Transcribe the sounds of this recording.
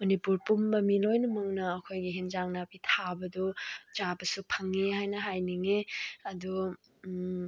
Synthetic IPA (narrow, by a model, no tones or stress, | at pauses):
mɐnipuɾpumːɐmilojnumɐŋnɐːkʰojɡiɦenzaŋnapitʰabɐdɔt͡ʃabɐsupʰɐŋːeɦajnɐɦajniŋeɐdu